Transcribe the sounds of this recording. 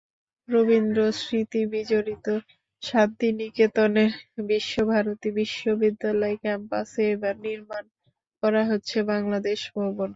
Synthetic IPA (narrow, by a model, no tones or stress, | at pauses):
ɾobind̪ɾosɾit̪ibid͡ʑoɾit̪o | ʃat̪̚d̪iniket̪oneɾbiʃːobʱaɾot̪ibiʃːobid̪ːalɔekɛmpa̰seebaɾniɾman | kɔɾaɦotːɕʰebaŋlad̪eʃbʱɔbon